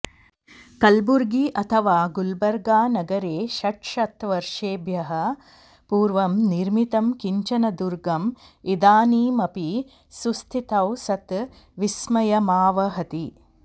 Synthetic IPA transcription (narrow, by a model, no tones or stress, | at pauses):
kɐlbuɾɡiʔɐt̪ʰɐʋaːɡulbɐɾɡaːnɐɡɐɾeːʃɐʈʂɐt̪ʋɐɾʂeːbʱjɐɦɐ | puːɾʋɐmniɾmit̪ɐmkiɲt͡ʃɐnɐd̪uɾɡɐmid̪aːniːmɐpi | sust̪ʰit̪ɐwsɐt̪ | ʋismɐjɐmaːʋɐɦɐt̪i